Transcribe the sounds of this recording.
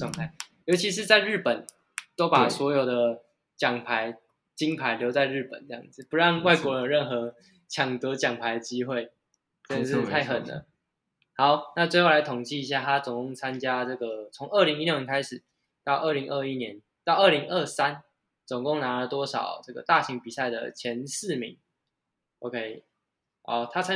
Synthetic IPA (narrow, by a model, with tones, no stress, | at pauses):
wa˥˨ŋt̪ʰa˥˩ɪjo˧˥ʊt͡ɕʰi˧˥ʂ̬ɻ̩˥˧t͡sa˥˧ɪɻ̩˥˩pə˨˩n | t̪o˥ʊpa˨˩swɔ˧˥jo˨˩ʊd̪ə˩ | t͡ɕjɑ˨˩ŋpʰa˧˦ɪ | t͡ɕi˦ŋpʰa˧˦ɪljo˧˥ʊt͡sa˥˧ɪɻ̩˥˩pə̰˨˩˦nt͡sɤ˧jɑ̰˥˩ŋd͡z̩˨˩pu˧˦ɻɑ˥˧ŋwa˥˩ɪkwɔ˧˥ɻə˧nɻə˥˩nxɤ˧˥ | t͡ɕʰjɑ˨˩ŋt̪ɤ˨˦t͡ɕjɑ˨˩ŋpʰa˧˥ɪd̪ə˨˩t͡ɕi˦˥xwe˥˩ɪ | t͡ɕə˥˧nə˨ʂɻ̩˥˧t̪ʰa˥˩ɪxə˨˩nd̪ə̰˦ | hɑ˨˦ʊna˥˧t͡swe˥˧ɪxo˥˩la˧˦ɪt̪ʰʊ˨˩ŋt͡ɕi˥˨i˧˥ɕ̬ja˥˩t̪ʰa˦˥t͡sʊ˨˩ŋkʊ˥˩ŋt͡sʰa˦nt͡ɕja˥ʈ͡ʂɤ˥˩ɡə˩t͡sʰʊ˧˦ŋʔə˥˩li˧˥ŋi˥ljʊnʲjʲɛ˧˥kʰa˥ɪʂɻ̩˨˩˦ | t̪ɑ˥˧ʊʔə˥˩li˧˥ŋʔə˥˧i˦˥njɛ˧˦n | t̪ɑ˥˩ʊə˥˩li˧˥ŋʔə˥˧˩sa˦n | t͡sʊ˨˩ŋkʊ˥˨ŋna˧˥lə˨t̪wɔ˥ʂɑ̰˨˩ʊʈ͡ʂɤ˥˩ɡə̰˩t̪a˥˩ɕi˧˥ŋpi˨˩sa˥˩ɪd̪ə̰˩t͡ɕʰjɛ˧˦nsɹ̩˥˨mḭ˨˧˦ŋ | o˧ʊkʰe˦˥ɪ | ʔo̰˥˧t̪ʰa˥t͡sʰa˥